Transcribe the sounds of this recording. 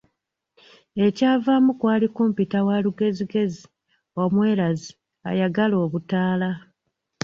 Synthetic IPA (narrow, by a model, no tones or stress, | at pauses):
e̞caːvamukwaːlikuːmpitawaluɡe̞ziɡe̞zi | o̞mwe̞ːlazi | a̰jaɡalo̞ːβutaːla